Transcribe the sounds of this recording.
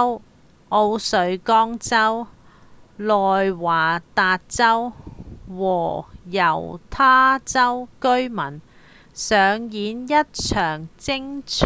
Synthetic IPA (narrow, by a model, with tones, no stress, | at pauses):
w | ʔo˧wsɵ˨˧˥ɥkɔː˥ŋt͡sɐ˥w | lɔː˨jwaː˨˩t̪aː˧t̚t͡sɐ˥w | wɔː˨˩jɐ˨˩wt̪ʰaː˥t͡sɐ˥wkɵ˥ɥmɐ˨˩n | sœː˨˧ŋjiː˨˥njɐ˥t̚t͡ʃʰœː˨˩ŋt͡sɪ˥ŋt͡ʃʰ